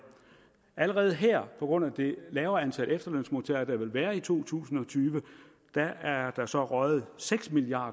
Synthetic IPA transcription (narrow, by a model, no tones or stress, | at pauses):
ʔæləʁɛːð̩ˠɦæɐ̰pʰɒ̽ɡ̥ʁɔ̽n̰æd̥e̝lɛːʊɐænt͡sʰæl̰ʔəefd̥ɐløn̰smo̝t͡sʰæ̰ɐd̥ɑʋe̝lʋæːɐit͡sʰo̝̰ːt͡sʰṵːsn̩ɒ̽t͡sʰyːʋə | d̥ææɐd̥ɑ̈sɒ̽ʁɶð̩ˠseɡ̥smiliɑ̰̈ːd̥